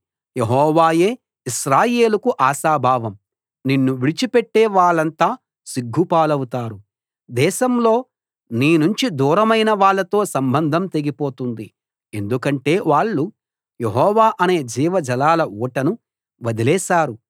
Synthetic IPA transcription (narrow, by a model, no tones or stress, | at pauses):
je̞ɦɔːʋaːjeː | iʃɾaːje̞ːlukuʔaːʃaːbʱaːʋɐm | ninːuʋiɭit͡ʃipeʈːɛːʋaːɭːɐnt̪aː | siɡʱːupaːlɐwut̪aːɾu | d̪ɛːʃɐmlo̞ː | niːnuɲt͡ʃid̪uːɾɐmɐjnɐʋaːɭːɐt̪o̞ːsɐmbɐnd̪ʱɐmt̪e̞ɡipo̞ːt̪und̪i | e̞nd̪ukɐɳʈe̞ːʋaːɭːu | jeɦɔːʋaːʔɐne̞ːd͡ʒiːʋɐd͡ʒɐlaːlɐuːʈɐnu | ʋɐd̪ilɛːʃaːɾu